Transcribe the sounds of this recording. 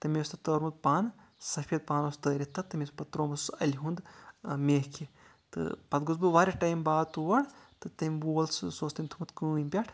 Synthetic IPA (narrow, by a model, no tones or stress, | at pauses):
t̪ɨmʲeːst̪ɨt̪əːɾmud̪̚paːn | sɐfiɐd̪̚paːnɐst̪əːɾʲit̪ːɐt̪ːɨmʲespɐt̪ːɾoːmɐssɐlʲiɦund̪mʲeːhkʰi | t̪ɨ̰pɐt̪ɡuzbɨʋaːɾʲiʈɐjmbaːt̪uʋɐɽt̪ɨt̪ɐmʲʋoːlssoːst̪ɐmʲt̪ʰumut̪kɨːimʲpʲaʈʰ